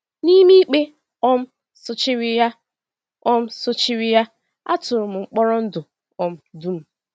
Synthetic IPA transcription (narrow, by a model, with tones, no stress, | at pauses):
ni˦mi˦i˦k͡pe˦ | ɔ˦m̩˦ | sʊ˦t͡ʃɪ˦ɾi˦ja˦ | ɔ˦m̩˦sʊ˦t͡ʃi˦ɾi˦ja˦ | a̰˦tʊ˨ɾʊ˨m̩˨ŋ͡m̩˨k͡pɔ˦ɾɔ˦n̩˦dʊ˨ | ɔ˨m̩˦du˦m̩˨˦